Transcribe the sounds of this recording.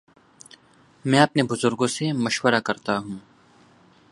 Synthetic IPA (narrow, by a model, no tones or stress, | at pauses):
mɛ̃ːɐpnebʊzʊɾɡõsemɐʃwəɾakɐɾt̪aɦũː